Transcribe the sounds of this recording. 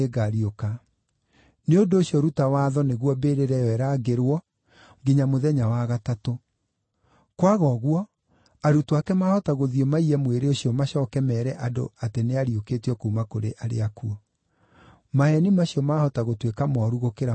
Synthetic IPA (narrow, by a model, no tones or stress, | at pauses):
eɡaɾioka | neondoːɕiɔɾutawaːðɔneɣwɔbeɾeɾɛjɔɛɾaːɡeɾwɔ | ŋɡeɲamoðɛɲawaɣatato | kwaɣɔɣwɔ | aɾutwakɛmahɔtaɣoðiɔmaiɛmweɾeoɕiɔmaɕɔːkɛmɛːɾɛʔado̰ateneaɾiokeːtiɔkoumakoɾeʔaɾḛakuɔ | mahɛnimaɕijɔmahɔtaɣotwekamɔɾuɣokeɾa